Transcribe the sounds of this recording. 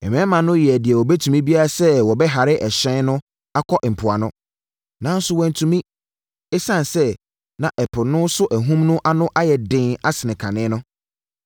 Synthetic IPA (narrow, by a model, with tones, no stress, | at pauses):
ɛ˨m˨ɛ̃˦mã˨nʊ̃˦jɪ˨ɛ˨dɪ˨ɛ˨wɔ˨bɛ˦tʰũ˨mĩ˦bi˦a˦ɾa˨sɛ˦wɔ˨bɛ˦ɦa˨ɾɪ˦ʔɛ˨ɕɛ̃˦nnʊ̃˦ | a˦kʰɔ˦ʔm̩˨pʰʊ˨a˨nʊ̃˦ | nã˨˦n̩˦sʊ˦wɔ̃˨n˨tʰũ˨mĩ˦ | ɛ˦sã˦n˨sɛ˦ | nã˨ʔɛ˨pʰʊ˨nʊ̃˦sʊ˦ʔæ˨ɦũ˦mnʊ̃˦ʔa˦nʊ̃˦ʔa˦jɛ˨dɪ̃˦na˦sɪ˨nɪ̃˨kʰã˨nɪ̃˦nʊ̃˦